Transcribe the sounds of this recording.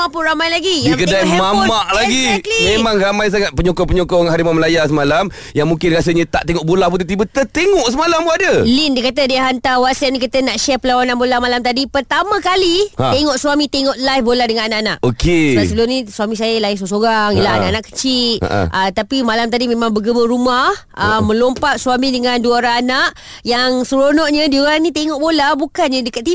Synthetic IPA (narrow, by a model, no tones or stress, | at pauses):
apʊnɾamajlaɡijakədajmammaʔlaɡimemaŋramajs̬aŋat̪̚pəɲɔkɔpəɲokɔŋɦaɾimaməlajasəmalam | jaŋmuŋkɪnɾasəɲət̪aʔt̪eŋɔʔbolahp̬unt̪ut̪ibət̪ət̪eŋɔʔsəmalampuadəlindiəkat̪̬ədiəɦant̪awasaʔ̚nikit̪ənaʔʃɛrpəlawananbolamalamt̪adipərt̪amãkalieŋɔʔswamĩt̪eŋɔʔlajfbolahdəŋananaʔanaʔokesasəəlunĩswamĩs̬ajalais̬os̬oɾaŋjilaaaʔanaʔkə̥t͡ʃit̪̚ʔət̪apimalamt̪adimẽmãŋbəɡəməɾumahəmə̃lompaʔswamidəŋanduaoɾaanaʔ | jaŋsəɾonɔʔɲədioɾaŋnĩt̪eŋɔʔbolahbukanɲədəkat̪̚i